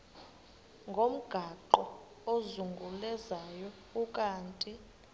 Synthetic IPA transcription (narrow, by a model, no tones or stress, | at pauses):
ŋɡʱom̩ɡ̥ʱaǃɔ | ozuŋɡʱulɛzajɔ | ukʼaːntʼi